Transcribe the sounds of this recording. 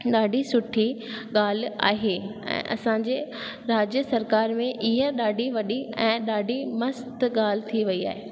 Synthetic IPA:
ɗaːɖʱisʊʈʰiɠaːl̤ɪ̆a̰ːɦeːɛ̰̃ːʔɐ̰sãːɲd͡ʑeː | ɾaːd͡ʑjəsɐɾkaːɾmẽʔɪɦəɗaːɖʱiʋɐɗiɛ̃ːɗaːɖʱimɐst̪ɠaːl̤ɪt̪ʰiʋɐia̰ːɦeː

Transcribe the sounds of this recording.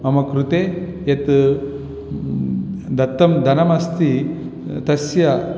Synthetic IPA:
mɐmɐkɾut̪eː | jet̪ | d̪ɐt̪ːɐmd̪ʱɐnɐmɐst̪i | t̪ɐsjɐ

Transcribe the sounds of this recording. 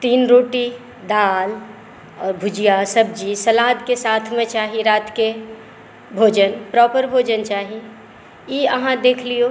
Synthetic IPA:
t̪iːnɾoːʈi | d̪aːl | ɔːɾbʱʊd͡ʒijasəb̚d͡ʒisɐlaːd̪kesaːt̪ʰmẽt͡ʃaːɦiɾaːt̪ʰke | bʱoːd͡ʒənpɾɔːpəɾbʱoːd͡ʒənt͡ʃaːɦi | jiəɦãd̪eːkʰlio

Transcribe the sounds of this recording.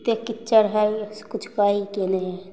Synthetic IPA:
t̪ekɪt͡ʃəɾɦɛskʊt͡ʃʰkaːikeneɛ

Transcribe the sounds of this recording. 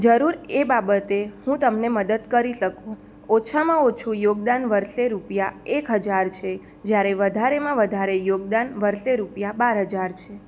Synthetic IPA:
d͡ʒəɾuɾebabət̪ehũt̪əmneməd̪əd̪kəɾiʃəkũ | ot͡ʃʰamãot͡ʃʰũjoɡd̪anʋəɾʃeɾupjaekɦəd͡ʒaɾt͡ʃʰe | d͡ʒjaɾeʋəd̪ʱaɾemãʋəd̪ʱaɾejoɡ̚d̪anʋəɾʃeɾupjabaɾɦəd͡ʒaɾt͡ʃʰe

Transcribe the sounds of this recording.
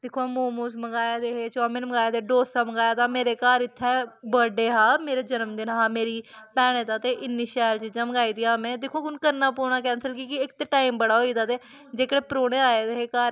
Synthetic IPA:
d̪ɪkʰoaːmoːmoːsməɡaːjaːd̪eːɦeːt͡ʃɔːmɪnməɡaːjːt̪eːɖoːsãːməɡaːjaːt̪aːmeːɾeːkaːɾɪt̪ʰːɛ̃ːbəɖeːɦaːmeːɾeːd͡ʒənəmd̪ɪnɦaːmeːɾiːpɛːɽ̃ẽːt̪aːt̪eːʔɪnːiːʃɛːlt͡ʃiːd͡ʒãːməɡaːiːd̪iːaːmẽːd̪ɪkʰːoːkʊnkəɾnaːpoːɳaːk̬ɛːnsəlkikɪɪkt̪eːʈaːimbəɽaːɦoːiːd̪aːt̪eː | d͡ʒeːkəɽeːpəɾoːɽeːaːeːd̪eːɦeːkaːɾ

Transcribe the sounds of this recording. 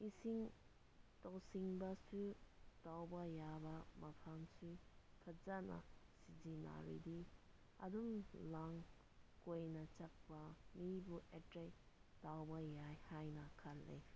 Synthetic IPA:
isiŋ | tɔwsiŋbɐsutawbɐjabɐmɐpʰaŋsu | kʰɐt̚zanɐ̰sizina̰ɾḭdi | ɐ̰dumlaŋ | kojnɐt͡ʃak̚pɐmibuʔetɾej | dawbɐjajhajnɐkʰɐl̚lḛ

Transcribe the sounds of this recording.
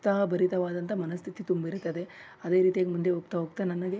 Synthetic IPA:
t̪aːbɐɾit̪ɐʋaːd̪ɐnt̪ɐmɐnɐst̪ʰit̪it̪umbɐiɾut̪ːɐd̪e̞ | ɐd̪e̞ːɾiːt̪ijaːɡemund̪eɦoːɡ̚t̪ɐɦoɡ̚t̪anɐnːɐɡe

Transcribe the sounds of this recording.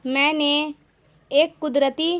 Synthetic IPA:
mɛ̃ːne | eːkːʊd̪ɾət̪i

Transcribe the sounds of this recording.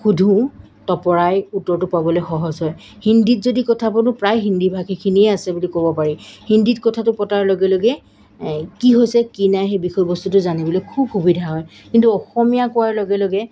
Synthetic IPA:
xudʱũ | tɔpɔɹajutːɔɹtʊpabɔlojxɔɦɔzɦɔj | hindit̚zodikɔtʰapɔnʊpɹajɦindibʱakʰikʰiniɛasɛbulikobɔpaɹihinditkɔtʰatʊpɔtaɹlɔɡɛloɡɛ | kiɦojsɛkinajxejbixɔjbɔstutʊzanibɔlojkʰub̚xubidʱaɦɔjkintuɔxɔmijakʊwaɹlɔɡɛloɡɛ

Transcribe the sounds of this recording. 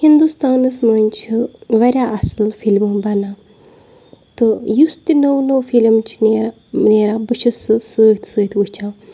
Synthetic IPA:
hind̪ust̪aːnɐsmɐnt͡ʃʰiʋɐɾʲaʔɐsɨlfilmɨbɐna | t̪ɨjust̪inɐwnəwfilmt͡ʃʰi̥neːɾa | neːɾabɨt͡ʃʰɐsɨsəːt̪ʰsəːt̪ʲut͡ʃʰa

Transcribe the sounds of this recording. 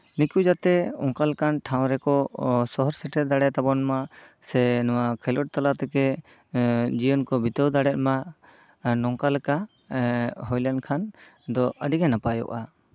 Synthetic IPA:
nikud͡ʒat̪ɛɔŋkalkanʈʰaw̃ɾɛkɔsɔɦɔɾsɛʈʰɛd̪aɽɛt̪abɔnmasɛnɔwakʰɛlɔʈ̚t̪alat̪ɛkɛ | d͡ʒijɔnkɔbit̪əwd̪aɽɛt̪̚ma | nɔŋkalka | ɦɔjlankʰan | d̪ɔʔəɖiɡanapajɔ̰ʔa

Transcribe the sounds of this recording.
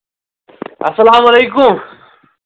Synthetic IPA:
ɐsɐlaːmɐlejkʊm

